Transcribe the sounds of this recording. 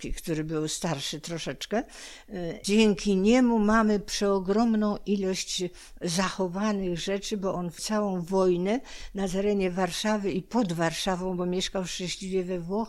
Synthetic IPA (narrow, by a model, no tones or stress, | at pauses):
kʲikt̪uɾɘbɘwst̪aɾʂɘt̪ɾɔʂɛt͡ʂkɛ | d͡ʑɛŋkʲiɲɛmumamɘpʂɛɔɡɾɔmnɔ̃w̃ʔilɔɕt͡ɕ | zaxɔvanɘɣʐɛt͡ʂɘbɔʔɔnft̪sawɔ̃w̃vɔjnɛnat̪ɛɾɛɲɛvaɾʂavɘipɔd̪vaɾʂavɔ̃w̃bɔmʲjɛʂkawfʂtɛ̃ɕlʲivʲjɛvɛvwɔx